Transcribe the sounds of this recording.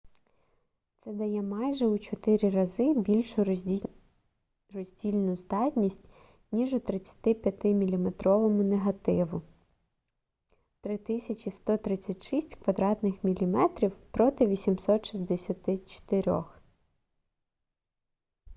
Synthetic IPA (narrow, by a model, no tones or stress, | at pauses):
t̪sɛd̪ɐjɛmɑjʒɛut͡ʃɔt̪ɪɾʲiɾɐzɪbʲilʲʃʊ | rɔzʲdʲilʲnʊzd̪ɑtʲnʲisʲtʲ | nʲiʒʊt̪ɾɪt͡sʲɐ̥t̪ɪpʲjɐt̪ɪmʲilʲimet̪ɾɔʋɔmʊneɦɐt̪ɪʋʊ | t̪ɾɪt̪ɪsʲɐt͡ʃist̪ɔt̪ɾɪt͡sʲɐtʲʃisʲtʲkʋɐd̪ɾɑt̪nɪxmʲilʲimɛt̪ɾʲiwpɾɔt̪ɪʋʲisʲimsɔt̪ʃizʲd̪esʲɐt̪ɪt͡ʃɔ̥t̪eɾʲɔ̰x